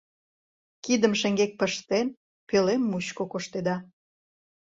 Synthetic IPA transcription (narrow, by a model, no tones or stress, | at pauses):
kid̪əmʃeŋɡek̚pəʃt̪en | pelemːuɕkokoʃt̪ed̪ɑ